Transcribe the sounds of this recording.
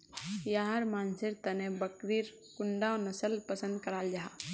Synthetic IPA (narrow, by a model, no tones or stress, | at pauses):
jaɦəɾmaːnsɪɾt̪ənebəkɾiɾ | kʊɳɖaɔnəsəlpəsə̃nd̪̚kəɾaːld͡ʒaɦa